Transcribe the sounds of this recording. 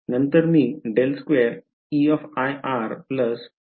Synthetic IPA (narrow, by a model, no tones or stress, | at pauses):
nənt̪əɾmiɖelskʋeɾ | iɔfajʔaɾpləs